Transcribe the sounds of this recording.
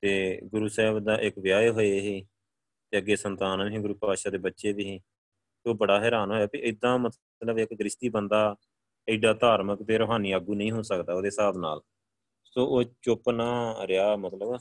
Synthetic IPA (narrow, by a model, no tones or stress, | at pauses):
t̪eːɡʊɾuːsɛːbd̪aːʔɪkʋɪjaːeɦoːeɦeː | t̪eːəɡeːsənt̪aːnːɦɡʊɾuːpaːʃaːd̪eːbətːʃeːbiːɦẽː | oːbəɽaːɦɛːɾaːnɦoːjaːbiʔɪd̪ãːmət̪ | t̪ləbɪkɡɾɪʃt̪iːbənd̪aː | ɪːɖaːt̪aːɾməkt̪eːɾoːɦaːniːaːɡuːnəĩːɦoːsəkd̪aːoːd̪eːsaːbna̰ːl | soːʔoːt͡ʃʊpnaːɾɪjaːmət̪ləb